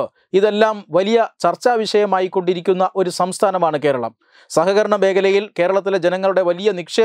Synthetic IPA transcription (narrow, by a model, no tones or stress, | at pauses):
iðe̞lːaːmʋɐlijɐt͡ɕɐrt͡ɕːaːʋiɕɐjɐmaːjikːo̞ɳɖiɾikʲːunːɐʔo̞ɾusɐmst̪ʰaːnɐmaːɳɨke̞ːɾɐɭɐ̰m | sɐɦɐɣɐɾɐɳɐbe̞ːɡɐlɐjilke̞ːɾɐɭɐt̪̬ːiled͡ʑenɐŋːɐɭuɽe̞ʋɐlijɐnikʂeː